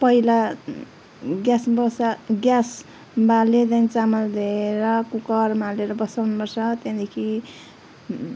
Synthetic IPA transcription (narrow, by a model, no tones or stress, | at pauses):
pʌila | ɡjasbʌɡjas | balet͡sanit͡samʌld̪eeɾʌkukʌrmaleɾʌbʌsawnupʌrsʰʌt̪jãd̪ekʰi